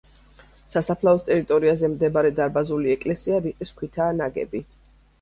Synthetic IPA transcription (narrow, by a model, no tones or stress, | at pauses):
sasapʰlaɔst̪ʼɛɾit̪ʼɔɾiazɛmd̪ɛbaɾɛd̪aɾbazuliɛkʼlɛsiaɾiqʼiskʰʷwit̪ʰaːnaɡɛ̰bi